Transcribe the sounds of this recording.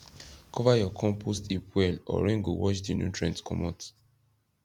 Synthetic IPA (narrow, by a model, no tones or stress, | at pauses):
kʰɔvajɔkʰɔ̃mpʰostipwɛlɔ̰ɹɛ̃ŋɡowɔt͡ʃdinṵ̃tʰɹɛ̃ntkʰɔ̰mɔt